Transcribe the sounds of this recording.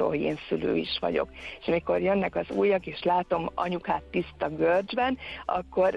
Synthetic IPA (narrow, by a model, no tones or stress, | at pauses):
o̰lhoɟḛːnsylø̰ːiʃʋɒ̰ɟo̞̰keʃɒmiko̞rjønːɛkɒzṵːjːɒɡeːʃlaːt̪o̞mɒ̰ɲukaːt̪ːist̪ɒɡørd͡ʒbɛnɒ̰kːo̞r